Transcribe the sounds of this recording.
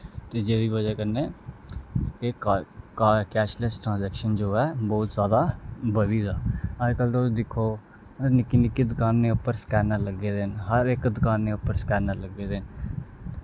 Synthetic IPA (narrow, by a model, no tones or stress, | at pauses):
t̪eːd͡ʒeːʋiːbəd͡ʒɛːkəneː | ke | kɛːʃləsʈɾãːzɛːkʃənd͡ʒoːɛːbɔːt̪zjaːd̪aːbəbiːd̪aːɦəd͡ʒkəlt̪od̪ɪkʰoː | nɪkːinɪkːid̪ɪkaːnːẽːʊpːəɾskɛːnələɡːeːd̪enɦəɾɪkd̪ɪkaːnːẽːʊpːəɾskɛːnːələɡeːd̪en